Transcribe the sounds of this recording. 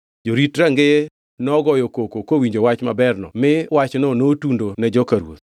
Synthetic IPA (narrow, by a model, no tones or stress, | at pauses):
d͡ʒoɾitɾaŋɡe | nɔɡɔjɔkokokowiɲd͡ʒowat͡ʃmabɛrnɔ̰mɪwat͡ʃnɔnotundonɛd͡ʒɔkaɾwo̰t̪